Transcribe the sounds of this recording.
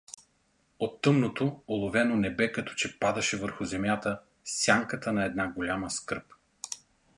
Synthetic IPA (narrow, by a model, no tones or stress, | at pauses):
ot̪ːɤmnot̪oolˠovɛnonɛbɛkɐt̪ɔ̥t͡ʃɛpad̪ɐʃɛvəɾxʊzɛmʲjat̪ə | sʲjaŋkət̪ənɐɛd̪naɡolʲaməskəɾp